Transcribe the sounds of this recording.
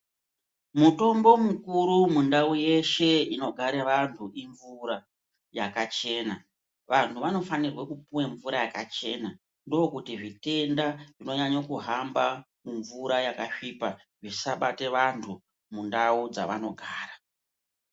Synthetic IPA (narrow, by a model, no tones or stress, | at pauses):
mutumbo̞mukuɾumundauje̞ʃe̞ino̞ɡʱaɾeʋantʰuʔiɱvuɾa | jakat͡ʃe̞ːna | ʋantʰuʋano̞fanirwekupuweɱvuɾajakat͡ʃe̞na | ndoːkutiʐite̞ndaʐino̞ɲaɲokuɦamba | muɱvuɾajakaʂiːpa | ʐisaɓate̞ʋantʰu | mundaud͡za̰ʋa̰no̞ɡʱaːɾa